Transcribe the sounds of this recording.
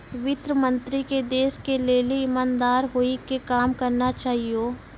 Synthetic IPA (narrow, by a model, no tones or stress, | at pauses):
ʋɪt̪ɾəmə̃nt̪ɾiked̪eːskeleːliɪmãːnd̪aːɾɦoikekaːmkɐɾnat͡ʃaːɦioː